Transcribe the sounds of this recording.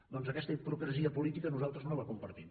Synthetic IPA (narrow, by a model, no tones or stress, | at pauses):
d̪ɔnzəkɛst̪əipɾukɾəziəpulit̪ikənuzalˠt̪ɾəznoləkumpəɾt̪im